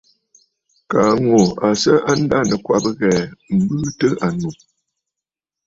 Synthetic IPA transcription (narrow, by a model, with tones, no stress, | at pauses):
ka˨ŋo˨a˨sə˦ʔa˦n˦da˦nə˨kwa̰˨bə˦ɣɛ˨m̩˨bɨ˦tə˦ʔa˨nu˨